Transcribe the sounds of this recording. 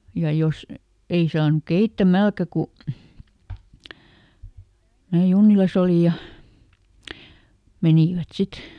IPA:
jɑ jos ei sɑːnŭk keitːæmælkæ ku mæː junːilɑs oli jɑ meniˑʋæt sit

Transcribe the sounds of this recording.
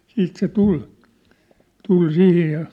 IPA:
siːt se tul tul sihij jɑ

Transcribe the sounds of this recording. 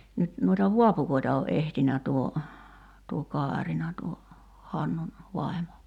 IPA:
nyt nuitɑ ʋuɑpukoitɑ o ʔehtinæ tuo tuo kɑːrinɑ tuo hɑnːun ʋɑi̞mo

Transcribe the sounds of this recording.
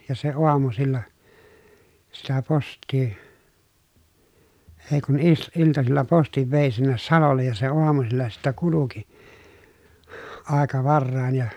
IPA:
jɑ se oɑmusilːɑ sitæ postˑiː eː kun is iltɑsilːɑ postiʋ ʋeˑi sinːes sɑlolːej jɑ se oɑmusilːɑ sitːæ kuluki ɑˑekɑ ʋɑrːɑˑin jɑ

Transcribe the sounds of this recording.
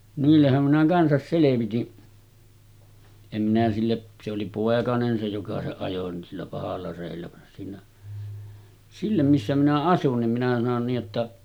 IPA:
niːlːehːæm minæ kɑnsɑs seleʋitin em minæ silːe se oli poˑekɑnen se jokɑ se ɑjo ni silːæ pɑhɑlːɑ reˑilːæ ʋɑn siːnæ silːæ misːæ minæ ɑsun nim minæ sɑnon niːʔ ʔetːæ

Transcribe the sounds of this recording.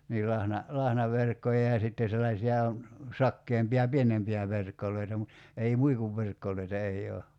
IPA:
niːl lɑhnɑ lɑhnɑʋerkːojɑ jɑ sitːe selːɑisʲiɑ sɑkːeːmpiɑ pienempiæ ʋerkːolˑoitɑ mut ei muikuʋːerkːolˑoitɑ ei oː

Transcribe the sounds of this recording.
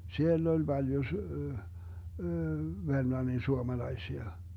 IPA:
sielː olʲ b̥ɑljo s ʋermlɑnːin suomɑlɑisiɑ

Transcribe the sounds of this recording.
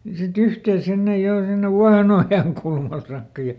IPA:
sit yhteː sinːej jo sinːeʋ ʋuɑhenojɑnkulmɑl sɑːkːɑ jɑ

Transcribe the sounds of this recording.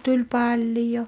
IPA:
tulʲ pɑlʲjo

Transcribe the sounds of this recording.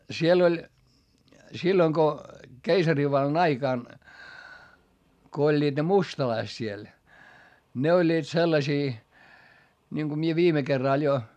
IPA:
siel olʲ silːoŋ ko keisɑriʋɑlːɑn ɑikɑˑn ko olʲːiːd̥ ne mustɑlɑist siel ne olʲːiːt selːɑsiː nʲiŋku mie ʋiːme kerːɑˑl jo

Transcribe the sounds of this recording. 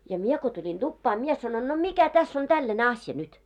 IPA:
jɑ mie ko tulʲin d̥upːɑː mie sɑnon no mikæ tæsː on tælːæne ɑsjɑ nyt

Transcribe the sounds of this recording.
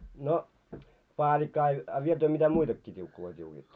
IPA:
no pɑːlʲikːɑ ɑ ɑ ʋiel tyø mitæ muitɑkːiː tʲiukːuloi tʲiukiːtːo

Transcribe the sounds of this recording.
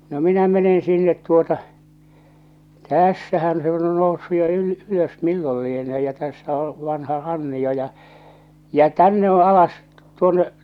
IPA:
no minæ menen sinːet tuotɑ tæˑsːæhæn se on jo nousːu jo yl yløs milːol lieneː jɑ tæsːæ o ʋɑnhɑ rɑnːio jɑ jæ̠ tænːe o ɑlɑs tuonːe

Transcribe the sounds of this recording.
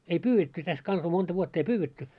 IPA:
ei pyːetːy tæs kɑnsɑ montɑ ʋuotː ei pyːwetːy

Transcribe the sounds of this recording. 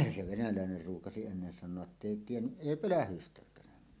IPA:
se ʋenælæˑener ruːkɑsi enːen sɑnˑoɑʔ ʔetːei tienːyʔ ʔeˑi pølæhystækˑæːn

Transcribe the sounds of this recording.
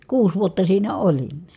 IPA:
kuːs ʋuotːɑ siːnæ olin

